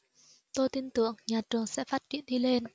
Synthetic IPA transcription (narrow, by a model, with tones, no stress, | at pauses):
t̪o˧jt̪i˧nt̪ɨ̰˧˨əŋɲaː˨˩t͡ɕɨ˨˩əŋsɛ̰˧˥faː˦˥t̚t͡ɕḭ˧˨ənɗi˧le˧n